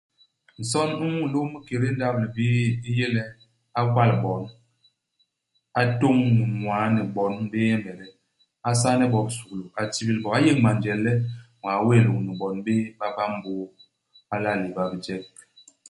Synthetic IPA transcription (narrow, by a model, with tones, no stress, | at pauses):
n̩˨sɔ˦nu˦mu˦˨lo˦mi˦ke˨ɾe˦n̩˦da˦b̚li˨bi˦i˦je˦lɛ˦ | a˦kwa˦˨lbɔ˨˦n | a˦to˦ŋnu˨mwaː˨˦nɛ˨bɔ˨˦n˦be˦ɛ˦mbɛ˨ɾɛ˦ | a˦s̬a˦nɛ˦bɔ˨bsu˨klo˨a˨ti˦bi˦lbɔ˨a˦je˦ŋma˨nd͡ʒɛ˨lːɛ˦mwa˨˦we˦˨lo˨ŋ˨ni˨bɔ˨nbe˦ba˦ba˦m˦bo˦ | a˦la˦˨le˨ba˨bi˨d͡ʒɛ˦k̚